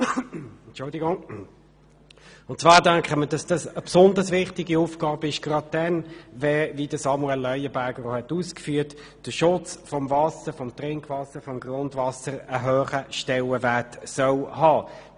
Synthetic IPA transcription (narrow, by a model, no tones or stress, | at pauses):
ɛnt͡ʃʊldiɡʊŋ | ʊntt͡ssvɑːɾdæŋkχəməd̥ɑsd̥ɑsəpsʊndəsʋɪχtɪɡiuːfɡ̥ɑːbəɪʃɡ̥rɑd̚dɛnvɛvidəsɑmuɛlːœʏjəbæɡəɾohɛtuːskfyːt | d̥əʃʊt͡sfɔmvɑsəfɔmtʁɪŋkʰvɑsəfɔmɡrʊndvɑsəɾəɦøːχəʃtɛləvætsœlhɑː